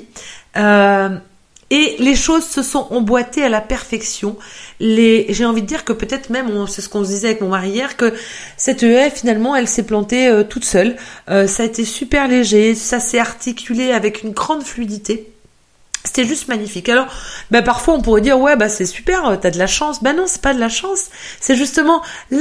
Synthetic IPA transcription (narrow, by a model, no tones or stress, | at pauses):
ø | eleʃozsəsɔ̃ʔɑ̃bwat̪ealapɛʁfɛksjɔ̃leʒeɑ̃vid̪əd̪iʁkəpøt̪ɛt̪χmɛmɔ̃sɛsə̥kɔ̃səd̪izɛavɛkmɔ̃maʁijɛʁkə | sɛt̪øɛfinalmɑ̃ɛlsɛplɑ̃t̪eøt̪ut̪sœløsaet̪esypɛʁleʒesasɛaʁt̪ikʲʰyleavɛkynɡʁɑ̃d̪flyid̪it̪e | se̥t̪ɛʒyst̪maɲifikalɔʁbapaʁfwaɔ̃puʁɛd̪iʁwɛbasɛsypɛʁøt̪yad̪əlaʃɑ̃sbɛnɔ̃sɛ̥pad̪əlaʃɑ̃sːɛʒyst̪əmɑ̃l